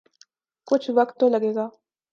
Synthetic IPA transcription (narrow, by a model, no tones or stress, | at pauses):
kʊt͡ʃʰʋɐkt̪ːolɐɡeːɡaː